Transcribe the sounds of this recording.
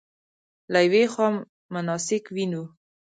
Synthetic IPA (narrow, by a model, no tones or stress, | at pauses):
lajwexwɑ | mːʊnɑsɪkwinu